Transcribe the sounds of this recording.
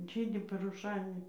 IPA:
ˈʒʲiːdʲɪ pɐrʊˈʃɐɪnʲɛ

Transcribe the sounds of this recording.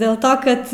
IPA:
dʲeːlˠ ˈtoː kɐt

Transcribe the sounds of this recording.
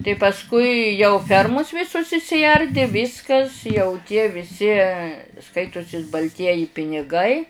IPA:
tɐɪ pɐsˈkʊɪ jɛʊ ˈfʲɛrmʊs ˈʋʲɪsʊs ɪʃʲsʲɪˈɐrʲdʲɪ ˈʋʲɪskɐs jɛʊ tʲiɛ ʋʲɪˈsʲɪ ˈskɐɪtʊsʲɪs bɐlʲˈtʲiɛjɪ pʲɪnʲɪˈɡɐɪ

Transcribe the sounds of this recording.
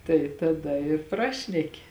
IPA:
tɐɪ tɐˈdɐ ɪr ˈprɑːʃʲnʲɛkʲɪ

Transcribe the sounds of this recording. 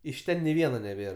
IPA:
ɪʃ ˈtʲɛn nʲɪ ˈʋʲiɛnɐ nʲɛˈbʲeːr

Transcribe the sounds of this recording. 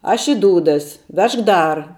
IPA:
ˈɐʃ ɪ ˈduːdɐs ˈʋʲɛʃk ˈdɐr

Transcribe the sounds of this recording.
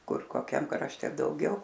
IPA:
ˈkʊr koːˈkʲɛm krɐʃʲˈtʲɛ dɐʊˈɡʲɛʊ

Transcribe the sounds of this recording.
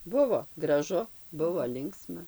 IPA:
ˈbʊʋoː ɡrɐˈʒʊ ˈbʊʋoː ˈlʲɪŋksmɐ

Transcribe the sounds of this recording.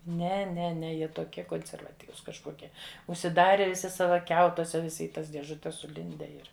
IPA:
ˈnʲɛ ˈnʲɛ ˈnʲɛ ˈjiɛ toːˈkʲiɛ koːnʲsʲɛrʋɐˈtʲiːʋʊs kɐʃˈkoːkʲiɛ ʊʃʲsʲɪˈdɑːrʲɛ ʋʲɪˈsʲɪ ˈsɑːʋɐ ˈkʲɛʊtuɔsʲɛ ʋʲɪˈsʲɪ ɪ ˈtɐs dʲiɛʒʊˈtʲɛs sʊˈlʲɪnʲdʲɛ ˈɪr

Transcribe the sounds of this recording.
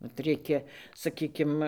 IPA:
ʋɐt ˈrʲɛɪkʲɛ sɐˈkʲiːkʲɪm

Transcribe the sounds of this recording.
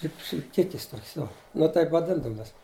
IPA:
tɐɪp ʃʲlʲɪpʲˈkʲɪkʲɪs ˈtoːkʲɛs ˈjoː nʊ ˈtɐɪp ʋɐˈdʲɪndɐʋʊm ˈjɛs

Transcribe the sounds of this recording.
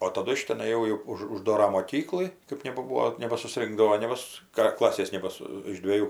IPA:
oː tɐˈdʊ ɪʃ tʲɛˈnɐɪ jɛʊ jɛʊ ˈʊʃ ʊʒˈdoːrɐ moːˈkʲiːklˠɨ ˈkɜp nʲɛbɐˈbuːoː nʲɛbɐsʊˈsʲrʲɪŋɡdɐʋoː nʲɛ ˈʋʲɪs ˈkrɐ ˈklˠɑːsʲeːs ˈnʲæːbɐsʊ ɪʃ dʲʋʲeːˈjuː

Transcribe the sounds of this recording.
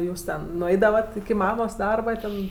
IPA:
ˈjuːs tʲɛn nʊˈɛɪdɐʋɐt ɪkʲɪ ˈmɑːmoːs ˈdɐrbɐ ˈtʲɛn

